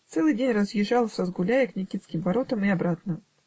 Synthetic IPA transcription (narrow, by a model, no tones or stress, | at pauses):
t̪sɛlˠɨjdʲenʲrəzjɪʐːalˠsʲəzɡʊlʲæjɪknʲɪkʲit̪skʲɪmvɐɾo̞t̪əmiɐbɾat̪nə